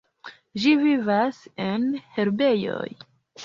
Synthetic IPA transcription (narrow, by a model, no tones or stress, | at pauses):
ʒivivase̞nhe̞ɾbe̞jo̞̰j